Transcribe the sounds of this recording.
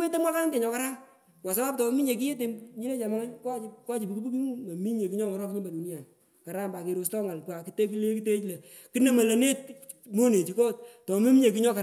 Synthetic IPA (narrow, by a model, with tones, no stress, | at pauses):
e˦te˦mwa˦ka˦nte˨ɲɔ˨ka˦ɾa˦ŋ | kwa˨s̬a˦ba˦p̚tɔ˨˦mi˦ɲe˨k̬i˦je˦t̬e˨ɲi˦le˦t͡ʃa˨ma˦ŋa˦ka˦ka˦t͡ʃi˨pu˨ku˦bu˦ki˦ŋu˦ma˨mi˦ɲe˨ki˦ɲɔ˦ŋɔ˨ɾɔ˦kɲi˦mba˨du˨ni˦a˨n | ka˨ɾa˦mba˨ke˨ɾo˨s̬tɔ˦ŋa˨lka˨ki˦te˦ki˦le˦ki˦te˦t͡ʃlɛ˨ | ki˦ne˦mɐ˨le˨ne˦t̚ | mo˦ne˨t͡ʃi˨ko˦t̚tɔ˨˦mi˦mi˦ɲe˨k̬i˦ɲɔ˦ka˨